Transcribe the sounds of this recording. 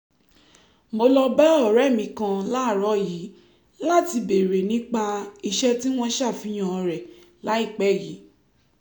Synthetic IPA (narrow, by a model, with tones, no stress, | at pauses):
mo˧lɔ˧bɛ˦ɔ˦˨ɾɛ˦˨mĩ˧kã˧la˨˦˨ɾɔ˨˦ji˨˦ | la˦˨ti˧be˨ɾe˨nĩ˨˦k͡pa˧i˧ʃɛ˦ti˦w̃ɔ̃˦ʃa˦˨fĩ˧˦j̃ã˨ɔ˧ɾɛ˨ | la˨˦i˦˨k͡pɛ˦˨ji˨˦